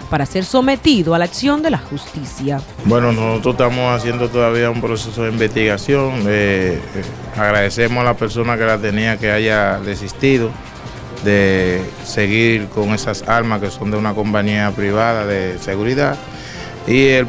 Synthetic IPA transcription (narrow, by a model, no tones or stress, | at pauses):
paɾase̞ɾso̞me̞t̪iðoalaksjo̞nd̪e̞laxust̪isjabwe̞nonosot̪ɾost̪amosas̬je̞nd̪ot̪oðaβ̞iaumpɾo̞se̞so̞ðeimbe̞st̪iɣasjo̞ŋe | aɣɾaðe̞se̞mosalape̞ɾso̞nake̞lat̪e̞niake̞aʝaðe̞sist̪iðo̞ | d̪e̞ | se̞ɣiɾko̞ŋe̞sasalmaske̞so̞nd̪eunako̞mpaɲiapɾiβ̞aðaðe̞se̞ɣuɾiðað | iel